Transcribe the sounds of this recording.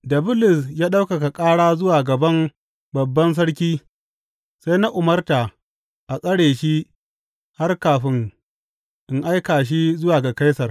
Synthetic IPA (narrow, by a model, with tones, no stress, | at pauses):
dɐ˨bʊ˦lɪ˨sjaː˦ɗa˦wka˨ka˨kʼaː˦ɽaː˦zʊ˦waː˨ɡɐ˨bɐ˦m | bɐ˨bːɐ˦ns̬ɐ˦ɽkʲiː˦ | sa˦jna˦ʔʊ˨mɐ˦rtaː˨ | ʔa˨kʼɐ˦ɽeː˨ʃi˦ | ha˦rkaː˨ɸɪ˦ŋ | ʔɪ˨ŋʔa˦jkaː˨ʃ̬i˦zʊ˦waː˨ɡa˨ka˦jsɐ˨r